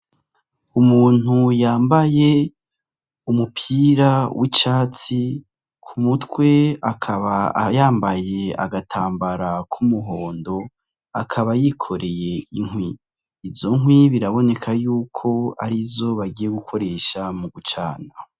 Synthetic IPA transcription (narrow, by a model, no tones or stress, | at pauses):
umuːn̥ujaːmbaje̞ | umupʰiɾawʔit͡ʃaːt͡si | kʰumutwe̞akʰaβajaːmbaje̞a̰ɡatʰaːmbaɾakʰumuɦo̞ːndo̞ | akʰaβajikʰo̞ɾe̞je̞iŋwiː | vzo̞ŋɦwiβiɾaβo̞ne̞kʰajuːkʰo̞a̰ɾizo̞βaɡije̞ɡukʰo̞ɾe̞ːʃamuɡut͡ʃa̰ːna